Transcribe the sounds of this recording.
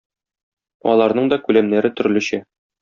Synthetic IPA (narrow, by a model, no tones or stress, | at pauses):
ɒ̰lˠɑɾnɤɴd̪ɒkʉlæmnæɾɘt̪ɵ̆ɾlʉ̆ɕɘ